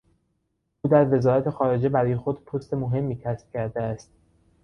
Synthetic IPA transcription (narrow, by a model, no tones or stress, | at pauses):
ʔuːd̪æɾve̞zɒːɾæt̪ʰe̞xɒːɾe̞d͡ʒe̞bæɾɒjexod̪pʰost̪e̞moɦe̞mːiːcʰæsp̚cʲʰæɾd̪eæst̪̚